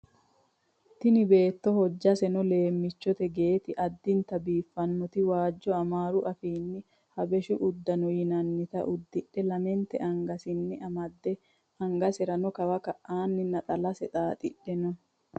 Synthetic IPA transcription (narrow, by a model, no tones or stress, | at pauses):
t̪ɪnɪbe̞ːt̪ːɔhɔd͡ʒːɐsɛnɔle̞ːmːɪt͡ʃːɔt̪ɛɡe̞ːt̪ɪʔɐd̪ːɪnt̪ɐbiːfːɐnːɔt̪ɪwaːd͡ʒːɔɐmaːɾʊʔɐfiːnːɪ | hɐbɛʃʊʔʊd̪ːɐnɔjɪnɐnːɪt̪ɐ̰ʔʊd̪ːɪɗːɛlɐmɛnt̪ɛ̰ʔɐŋɡɐsɪnːɪɐmɐd̪ːɛ | ɐŋɡɐsɛɾɐnɔkɐwɐkɐʔʔaːnːɪnɐt̪ʼɐlɐsɛt̪ʼaːt̪ʼɪɗːɛnɔ